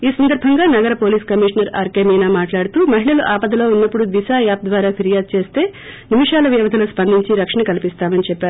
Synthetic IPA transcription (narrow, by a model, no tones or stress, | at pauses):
iːsɐnd̪ɐɾbʱɐŋɡaːnɐɡɐɾɐpoːliːskɐmiːʂɐnɐɾa̰ːɾkeːmiːnaːmaːʈlaːɽut̪uːmɐɦiɭɐluʔaːpɐd̪ɐlo̞ːunːɐpːuɽud̪isaːjaːp̚d̪ʋaːɾaːpʰiɾijaːd̪̚t͡ʃe̞ːst̪e̞ːnimiʂaːlɐʋjɛːʋɐd̪ʱɐlɐspɐnd̪ʱiɲt͡ʃiɾɐkʂɐɳɐkɐlipist̪aːmɐnit͡ʃɛpːaːɾ